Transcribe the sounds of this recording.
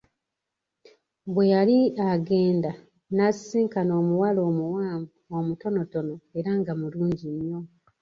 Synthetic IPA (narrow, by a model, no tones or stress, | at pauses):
βwe̞jaliaɡe̞ːnda | nasiːŋkano̞ːmuwalo̞ːmuwaːmbuomuto̞no̞to̞no̞eɾaŋɡamuluːɲɟiɲːo̞